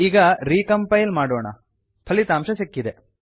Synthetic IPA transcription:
iːɡɐɾiːkɐmpɐjlmaːɽɔːɳɐ̰ | p̪ʰɐɭit̪aːmʃɐsikːid̪e

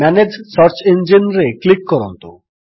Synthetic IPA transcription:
ɛned͡ʑsɔɾt͡ɕend͡ʑinɾeklikːɔɾont̪o

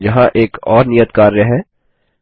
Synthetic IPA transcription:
jɐɦãʔeːkɔːɾnijət̪kaːɾːɛɦɛː

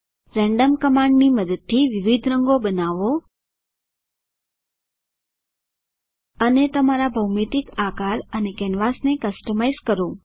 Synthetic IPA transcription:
ɾɛ̃ɳɖəmkəmãɳɖniməd̪əd̪̚t̪ʰːiʋɪʋid̪ʱɾəŋɡobənaʋo | ənet̪əmaɾabʱəwmet̪ɪkakaɾənekɛnʋasnekəsʈəmajzkəɾo

